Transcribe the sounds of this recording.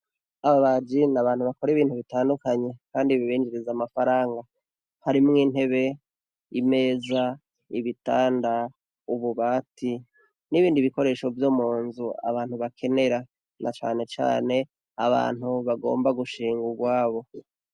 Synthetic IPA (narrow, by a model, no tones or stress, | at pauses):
aβaβad͡ʒinaβaːnhuβako̞ɾiβiːn̥huβitaːndukaɲe̞kaːndiβiβiːnd͡ʒiɾizamafaɾaːŋɡa | haɾimŋiːn̥he̞βe̞ | ime̞ːza | iβitaːnda | uβuβaːti | niβiːndiβiko̞ɾe̞ːʃo̞vjomuːnzua̰βaːn̥huβakʰe̞ne̞ɾa | nʔa̰t͡ʃa̰ːne̞t͡ʃa̰ːne̞ | aβa̰ːn̥huβaɡo̞̰ːmbaɡuʃiːŋɡuɡwaːβo̞